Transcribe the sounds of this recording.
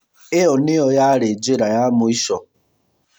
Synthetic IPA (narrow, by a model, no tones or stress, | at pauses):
ɪɔnɪɔjaɾed͡ʒeɾajamʊiʃɔ